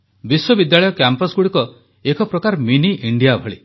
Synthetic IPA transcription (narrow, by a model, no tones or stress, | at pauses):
biswɔbid̪jaɭɔjɔkjampɔsɡuɽikɔ | ekʰɔpɾɔkaɾminiʔiɳɖijabʱɔɭi